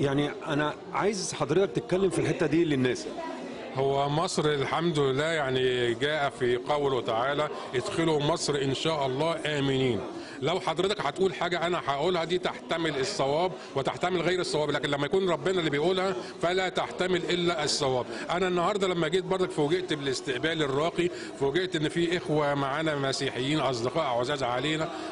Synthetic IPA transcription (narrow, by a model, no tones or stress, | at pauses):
jaʕniʔænæ | ʕaːjezħɑd̪ɾet̪ɑkt̪et̪̚kælːemfilħet̪ːæd̪iːlːenːæːs | howːæmɑsˤɾelħamd̪olɪlːæːjaʕniɡæːʔæfiqæwlwet̪aʕaːlæ | ʔed̪xelomɑsˤɾʔenʃæːʔɑlˤːɑːʔæːmɪniːn | læwħɑd̪ˤɾet̪ɑkħæt̪ʔuːlħaːɡæʔænæħaʔuːlhæd̪iːt̪aħt̪æmelesˤːɑwæːb | wet̪aħt̪æmelɣæjɾesˤːɑwæːblæːkenlæmːæjækuːnɾˤɑbːenælːiːbejʔuːlhæfælæt̪aħt̪æmelʔelːæʔsˤːɑwæːbʔænænːɑhɑːɾˤd̪ˤɑlæmːæɡiːt̪̚bɑɾˤd̪ˤɑkfowɡeʔt̪belest̪eʔbæːlerˤːɑːqi | fowɡeʔt̪ʔenːfiːʔexwæmaʕaːnæmæsiːħejːiːnʔɑs̬ˤd̪eqɑːʔæʕozæːzʕaleːnæ